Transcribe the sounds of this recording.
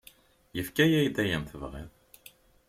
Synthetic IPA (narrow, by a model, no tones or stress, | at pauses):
jəfkæjæjd̪æjəmθəvʁḭðˤ